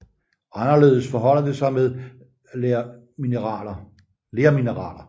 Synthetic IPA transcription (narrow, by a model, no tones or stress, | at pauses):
ɑ̈nɐle̝̰ːð̞ˠəsfɒɦɒ̽l̰ɐd̥e̝sɑ̈ɪmeðˠ | minʁɑlɐ | le̝ːɐminəʁɑ̰̈ːlɐ